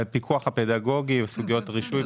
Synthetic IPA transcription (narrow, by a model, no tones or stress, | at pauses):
pikʰuaχhapedaɡo̞ɡivesuɡijo̞tʁiʃui